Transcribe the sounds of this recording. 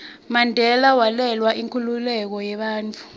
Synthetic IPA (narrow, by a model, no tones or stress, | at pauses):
mandʱɛlawalɛlwaʔiŋkʰululɛk̬ɔjɛɓaːnt͡fʰu̥